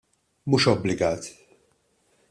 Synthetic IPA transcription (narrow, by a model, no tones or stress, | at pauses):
muːʃɔblɪɡɐːt̪